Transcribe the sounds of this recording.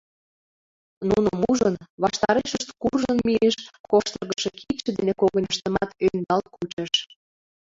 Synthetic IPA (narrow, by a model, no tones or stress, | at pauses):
nunomuʒənβɑʃt̪ɑɾeʃəʃt̪kurʒənmieʃkoʃt̪ərɣəʃekʰit͡ɕə̆d̪enekoɣənʲəʃt̪ə̆mɑt̪ønd̪ɑlt̪̚kut͡ɕeʃ